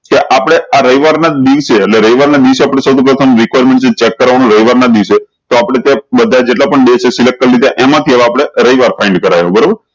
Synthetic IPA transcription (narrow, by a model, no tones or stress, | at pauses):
keʔapɽ̃eaɾəiʋaɾnad̪iʋt͡ʃʰeːʈleɾəiʋaɾnad̪iʋseapəɽ̃esəwt̪ʰipɾət̪ʰəmɾikʋajɾmẽɳʈsʰet͡ʃɛkːəɾʋanũɾəiʋaɾnad̪iʋʃʰe | t̪oapɽ̃et̪jãbəd̪ʱad͡ʒeʈlapəɳɖit͡ʃʰesilek̚ʈəlɾit̪eʔɛmãt̪ʰiəʋeapɽ̃eɾəiʋaɾfʰaiɳɖkəɾajobəɾobəɾ